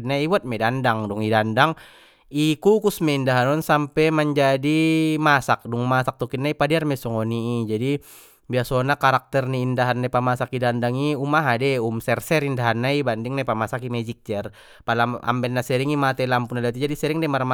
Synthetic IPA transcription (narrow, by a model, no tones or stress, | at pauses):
naibuɔat̪̚mɛdandaŋdɔŋidandaŋ | ikukusmɛindaɦanɔnsampɛməɲd͡ʒadimasak̚dɔŋmasak̚t̪ukitnaipadiarmɛsɔŋɔniid͡ʒadi | biasɔnakaɾak̚t̪ɛrniːndaɦanːapamasakidandaŋiumaɦadɛumsɛrsɛɾindaɦanːaibandiŋnapamasakimɛd͡ʒik̚d͡ʒɛr | palaa̰mbɛlnːasɛɾiŋimat̪ɛlampunadɛat̪id͡ʒadisɛɾiŋdɛmarma